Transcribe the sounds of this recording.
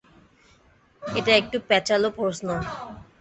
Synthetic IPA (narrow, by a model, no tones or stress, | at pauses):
eʈaek̚ʈupɛt͡ɕalopɾoʃno